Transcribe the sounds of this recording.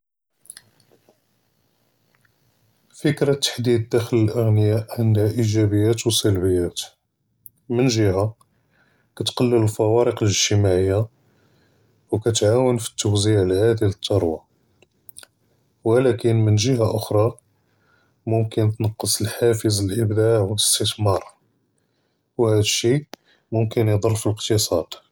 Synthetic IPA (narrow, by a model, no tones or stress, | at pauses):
fəkɾɑt̪ːḁħd̪id̪ːæxələlʔəɣnəjaʔʕənd̪haʔiʒæbəjːæt̪wsælbəjːæt̪ | mənʒəɦa | kæt̪qɑlːələlfæwɑɾəqəlʒt̪əmaʕəjːa | wkæt̪ʕawənfi̥t̪ːʊwziʕlʕad̪ilət̪ʰˤːɑɾˤwɑ | wəlækənmənʒəhaʔʊxɾˤɑ | mʊmkənt̪nɑqːəsˤəlħafəzəlʔəbd̪aʕwələst̪ət̪mɑɾˤ | whæd̪əʃːi | mʊmkənjd̪ˤərˤːfiləqt̪əsˤɑd̪̥